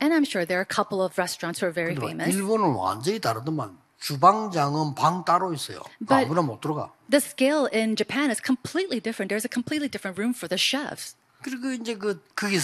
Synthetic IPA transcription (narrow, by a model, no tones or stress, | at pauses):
ɨ̃nãɪ̃mʃʊɹðə˞kʰʌpl̩ˠʌvɹɛstɹ̥ɑ̃ntshə˞vɛɹifḛ̃ɪ̃mɨisbonɯnwa̰nd͡ʑʌitaɾɯdʌma̰n | t͡ɕubaŋd͡ʑaŋɯnpaŋtaɾois͈ʌ̰jo̰b̥ʌat̚bunamot͈ʰɯɾʌɡa̰ | ðɨskeɪlˠɪ̃nd͡ʒɨpʰæ̃nɨz̥kʰə̃mpʰl̥itˡlidɪfɹɨ̃nt̪ðə˞zɨkʰmpʰl̥itˡlidɪfɹɨ̃nt̚ɹʉ̃ɱfə˞ðɨʃɛvs | kɯɾiɡoind͡ʑek̬ɯkɯɡe